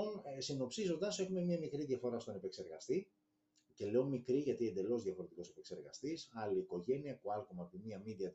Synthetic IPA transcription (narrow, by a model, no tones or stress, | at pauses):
onsino̞psizo̞nd̪ɐse̞xume̞mɲɐmikɾiðʝɐfo̞ɾɐst̪o̞nepekse̞ɾɣɐst̪i | ce̞le̞omikɾiʝɐt̪ie̞nd̪e̞lo̞zðʝɐfo̞ɾe̞t̪iko̞sepekse̞ɾɣɐst̪isɐliːko̞ʝe̞niɐkuɐlkomɐpimiɐmiðiɐt̪